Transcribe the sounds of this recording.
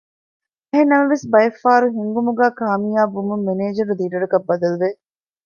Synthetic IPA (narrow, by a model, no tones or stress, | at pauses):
ɐɦenːɐmɐʋesbɐjɐfːaːɾuɦiŋɡumuɡæːkaːmijaːbumumːeneːd͡ʒɐɾud̪iːɖɐɽɐkɐbːɐd̪ɐluʋe